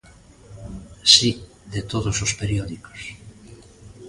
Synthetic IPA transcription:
si | ðet̪oðosospeɾjoðiko̥s

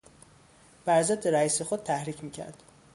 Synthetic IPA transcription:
b̥æɾzed̪ːeɾæiːsexod̪̥̚t̪ʰæhɾiːcʰmiːcʰæ̰ɾd̪̥

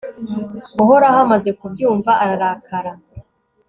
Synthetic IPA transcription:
uɦoɾahamaze̞kubjuːɱvaʔaɾaɾakʰaɾa

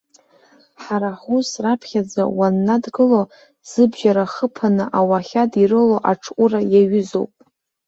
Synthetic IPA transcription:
ħaɾaħʷusrapʰχʲad͡za̰wanːadɡɨlo | z̥ɨbʒaɾaχəpʰanɨʔawaχʲadirɨloʔaʈ͡ʂʰkʷʼurajaɥʏzo̰wpʼ

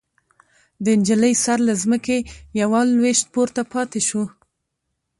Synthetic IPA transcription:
d̪əɪnd͡ʒələjsaɾlazməkejawɑlweʃt̪̚poɾt̪apɑt̪eʃu

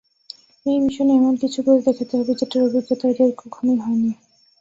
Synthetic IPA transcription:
ejmiʃoneɛmonkit͡ɕʰubod͡ʑd̪ekʰat̪eɦɔbed͡ʑeʈaɾobʱiɡot̪aɾeɾkukʰomiɦɔeni

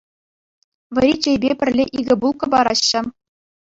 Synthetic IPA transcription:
ʋʲɘ̆ɾʲit͡ɕejbʲepʲɘ̆rʲlʲeʔiɡʲɘ̆bulˠkɤ̆bɑɾɑɕːɘ̆

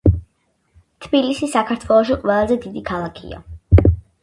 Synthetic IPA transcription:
t̪ʰbilisisakʰaɾt̪ʰwɛlˠɔʃ̬iqʼwɛlˠazɛd̪id̪ikʰalˠakʰḭa̰

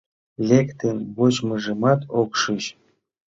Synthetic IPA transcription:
lʲekt̪enbot͡ɕmɤʐɤ̆mɑt̪okʂɯɕ

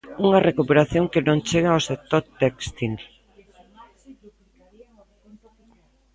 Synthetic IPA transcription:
uŋɐrekupeɾaθjoŋkenõŋt͡ʃeɣaawsek̚t̪oɾt̪ekst̪il

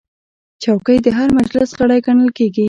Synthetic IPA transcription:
t͡ʃawkəjd̪əɦaɾmad͡ʒlɪsɣəɽajɡaɳəlkeɡi

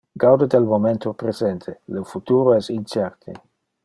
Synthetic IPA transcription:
ɡ̥awd̪ed̪elmoment̪opɾezent̪ʰelefut̪uɾoɛsint͡ʃɛɾt̪ʰḛ

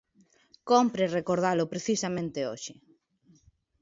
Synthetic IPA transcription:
kompɾerekoɾð̞alʊpɾeθisamẽnt̪eoʃɪ

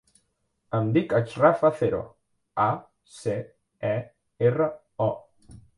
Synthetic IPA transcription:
əmd̪ikat͡ʃrafaθeɾo̰ | a | se | ɛ | erə | ɔ

